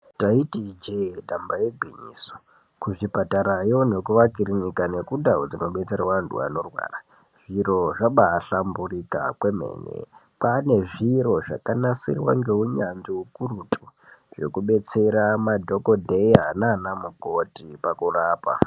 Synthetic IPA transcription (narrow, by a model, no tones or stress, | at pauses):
taitid͡ʒeɗambajeɡʱiɲḭːso̥ | kuʐipataɾajo̞ne̞kuʋakiriɲikane̞kudaod͡zino̞ɓe̞t͡serwandṵa̰no̞rwa̰ːra | ʐ̥iɾo̞ʐaɓaːɬamburika̰kwe̞mḛːnḛ | pane̞ʐiɾo̞ʐa̰kanasḭrwa̰ŋɡe̞uɲand͡ʒiukurutʰʼuʐe̞̰kuɓe̞t͡se̞ɾamadʱo̞ko̞dʱejananamuko̞tipakuraːpa̰